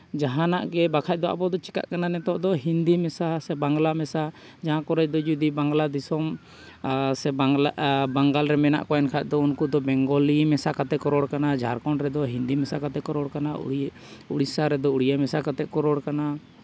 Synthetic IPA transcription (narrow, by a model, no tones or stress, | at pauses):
d͡ʒaɦãnaʔɡɛbakʰac̚d̪ɔa̰bɔd̪ɔt͡ʃi̥ka̰ʔkananɛt̪ɔʔd̪ɔɦind̪imɛsasɛbaŋɡlamɛsa | d͡ʒaɦãkɔɾɛd͡ʒd̪ɔd͡ʒud̪ibaŋɡlad̪isɔm | sɛ | baŋɡalɾɛmɛna̰ʔkɔɛnkʰac̚ˀd̪ɔunkud̪ɔbɛŋɡɔlimɛsakat̪ɛkɔɾɔɽkanad͡ʒʱaɾkɔnɾɛd̪ɔɦind̪imɛsakat̪ɛkɔɾɔɽkana̰ | uɽisaɾɛd̪ɔuɽijamɛsakat̪ɛʔkɔɾɔɽkana